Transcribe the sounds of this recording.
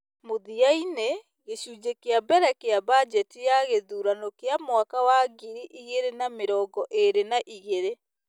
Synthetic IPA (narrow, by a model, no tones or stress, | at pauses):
moðiaine | ɣeɕuːd͡ʑekeabɛɾɛkeabad͡ʒɛtijaɣeðuːɾanokeamwakawaɡiɾiʔiɣeɾenameɾɔːɡɔʔeɾenaʔiɣeɾe